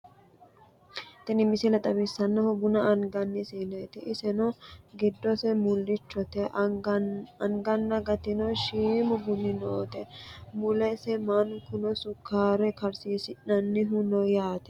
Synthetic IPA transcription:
t̪ɛnɪmɪsɪlɐt̪ʼɐbɪsːɐnːɐhɔbʊnɐʔːŋɡɐnːɪsiːneːt̪ɪʔɪsɛnɔɡɪd̪ːɔsɛmʊlːɪt͡ʃːɔt̪ɛ | ɐŋɡɐnːɐɡɐt̪ɪnɔʃiːmʊbʊnːɪnoːt̪ɛmʊlɛsɛmɐnkʊnɔsʊkʰːaːɾɛkɐɾsiːsɪnɐnːɪɦʊnɔjaːt̪ɛ̥

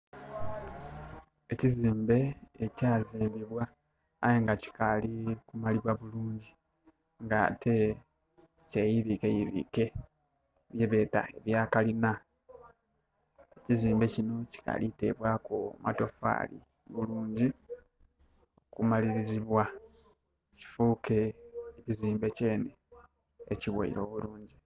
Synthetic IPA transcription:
e̞ciziːmbe̞ːcaːziːmbiβwaː | jeŋɡaci̥kalikumaliβwaβuluːɲɟi | ŋɡatʰe | cejiɾikejiɾḭke̞ | βjeβe̞ta̰e̞βjaːkalina | eciziːmbe̞cino̞ci̥ka̰lite̞̰βwaːkomʔa̰to̞fa̰ːlḭ | βuluːɲɟi | o̞kumaliɾiziβwa | eci̥fuke̞ːciziːmbe̞ce̞ːne | eciwo̰ḭɾo̞ːβuluːɲɟi

